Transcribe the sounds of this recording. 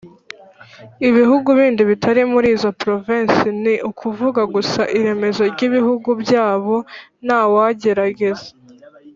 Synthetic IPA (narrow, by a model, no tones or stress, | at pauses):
iβiɦuɡuβiːndiβitʰaɾimuɾiːzopɾoviːnsiniʔukʰuvuɡaɡusaʔiɾe̞me̞zo̞ɾɟiβihuɡubjaːβo̞nawaɟe̞ɾaɡe̞ze